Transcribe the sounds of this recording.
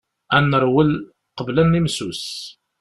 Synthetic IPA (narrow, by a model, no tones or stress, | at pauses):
ænːəɾˤwəl | qəblænːimsus